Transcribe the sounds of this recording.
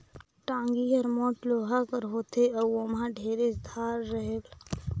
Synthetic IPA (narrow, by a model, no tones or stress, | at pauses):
ʈãːŋɡiɐɾmoːʈloːɦakəɾɦoːt̪eɐomãɖʱeːɾɪzd̪ʱaːɾːɐɦel